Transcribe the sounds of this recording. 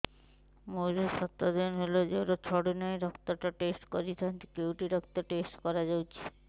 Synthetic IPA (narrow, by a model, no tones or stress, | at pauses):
moɾeʃɔt̪ːɾod̪enɦolod͡ʑewɾot͡ɕʰɔɽonɔeɾɔkt̪oʈaʈesʈkoɾit̪ʰant̪ikewʈiɾɔk̚t̪oʈesʈkɔɾad͡ʑawt͡ɕʰi̥